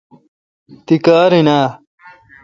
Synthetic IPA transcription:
t̪ikaːɾinaː

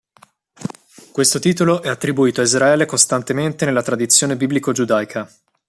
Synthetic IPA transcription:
kwest̪ot̪iːt̪oloʔɛat̪ːɾibuiːt̪oaizɾaɛːlekost̪ant̪ement̪enelːat̪ɾad̪it̪sːjoːnebiblikod͡ʒud̪ajkʰa

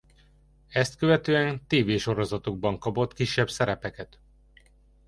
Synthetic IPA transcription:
ɛst̪køvɛt̪øːɛnt̪eːveːʃo̞ɾo̞zɒt̪oɡ̚bɒŋkɒpo̞t̪kiʃːɛbsɛɾɛpɛkɛt̪

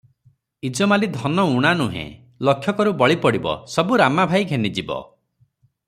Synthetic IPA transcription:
id͡ʒɔmalid̪ʱɔnɔuɽ̃anuɦḛ̃ | lɔkʰːjɔkɔɾubɔɭipɔɽibɔ̰sɔbuɾamabʱajɡʱenid͡ʒibɔ̰

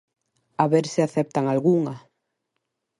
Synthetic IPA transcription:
aβeɾsɪaθɛp̚t̪aŋalɣuŋa

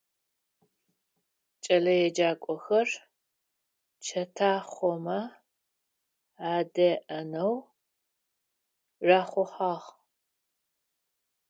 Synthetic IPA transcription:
t͡ʃʼɐlɐjɛd͡ʒaːkʷʼɔxɐr | t͡ʃʰɐtʰaːχʷɔmɐ | aːdɐʔɐnɐw | raːχʷɔħaːʁ

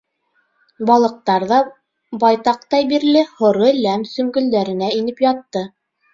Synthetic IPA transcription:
bɑlˠɤ̆q̚t̪ɑɾðɑ | bɑjt̪ɑq̚t̪ɑjbiɾlɘhŏɾɤlæmsɵ̆ŋɡɵ̆ld̪æɾɘ̆næinɘpjɑt̪ːɤ

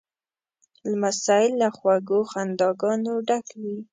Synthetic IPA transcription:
lamasɑjɪlːaxwaɡoxand̪ɑɡɑnoɖakwi

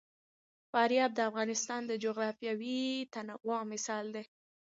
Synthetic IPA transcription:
fɑɾjɑb̚d̪əafɣɑnɪst̪ɑnd̪əd͡ʒoɣɾɑfjɑwit̪anaɣwɑmɪsɑld̪e

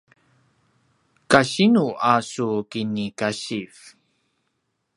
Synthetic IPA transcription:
kaɕinuasukinikaɕif

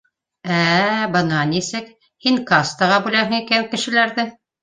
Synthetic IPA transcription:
æbɤ̆nɑnisɘk | hiŋkɑst̪ɑʁɑbʉlæɦɘ̆ŋikæŋkɘ̆ʃɘ̆læɾðɘ

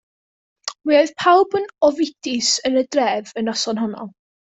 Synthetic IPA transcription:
wioɨð̥pʰawbənɔvɪdʰɪsənədrɛvənɔsɔnɦɔnɔ̰lˠ

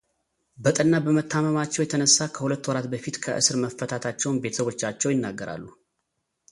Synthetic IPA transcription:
bət̪ʼənːabəmət̪ʰːaməmat͡ʃːɛwjɛt̪ʰənəsːakʰəhulət̪ːwɔɾat̪bəfit̪kʰəʔɨ̰sɨɾməfːət̪ʰat̪ʰat͡ʃːɛwnbe̞t̪ʰəsəβo̞t͡ʃːat͡ʃːɛwjɪnːaɡːəɾa̰lːu

